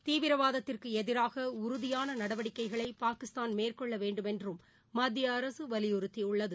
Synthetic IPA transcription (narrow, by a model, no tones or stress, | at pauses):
t̪iːʋɪɾɐʋaːðɐt̪ːɪrkɯɛðɪɾaːɣɐʊɾʊðɪjaːnɐnɐɽɐʋɐɽɪkːɐɪɣɐɭɐɪpaːkɪst̪aːnmeːrkɔɭːɐʋeːɳɖɯmɛndrɯmː | ɐd̪ːɪjɐːɾɐsɯʋɐlɪjʊɾɯt̪ːiʊɭːɐðɯ